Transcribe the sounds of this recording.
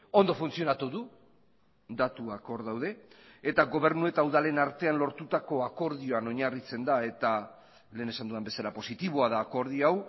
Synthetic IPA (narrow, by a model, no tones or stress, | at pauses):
o̞nd̪o̞funt͡sio̞nat̪uðu | d̪at̪uako̞ɾðawðe̞et̪aɣo̞β̞e̞ɾnue̞t̪awðale̞naɾt̪e̞anlo̞ɾt̪ut̪ako̞ako̞ɾðio̞ano̞ɲarit͡se̞nd̪ae̞t̪a | le̞ːne̞sand̪uðembe̞salapo̞sit̪iβ̞oaðaːko̞ɾð̞ioaw